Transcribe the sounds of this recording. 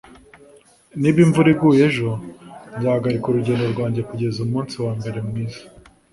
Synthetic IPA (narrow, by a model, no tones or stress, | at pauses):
niːbiɱvuɾibɡuje̞ʒonzaːhaɡaɾikuɾuɟeːndo̞ɾɡwaːɲɟe̞kuɟe̞zumuːnsiwaːmbe̞ɾemwiːzḁ